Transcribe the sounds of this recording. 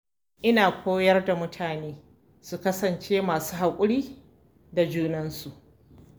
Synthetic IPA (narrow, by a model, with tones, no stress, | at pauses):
ʔɪ˦naː˨kʷʰoː˦jɐ˦rda˨mʊ˦tʰaː˨neː˦ | su˨kɐ˦sɐ˨nt͡ʃeː˦maː˨suː˦ɦa˨kʷʼʊ˦ɽiː˦ | da˨d͡ʒuː˦nɐ˦nsu˨ʔ